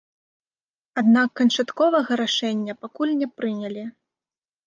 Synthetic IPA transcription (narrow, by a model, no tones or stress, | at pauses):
ad̪nakːɐnt͡ʂat̪kɔvɐɣɐɾaʂɛnʲːɐpakulʲnʲɛpɾɨnʲɛlʲi